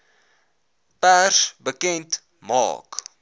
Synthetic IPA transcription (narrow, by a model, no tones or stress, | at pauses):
pærsbəkɛnt | mɑ̰ːk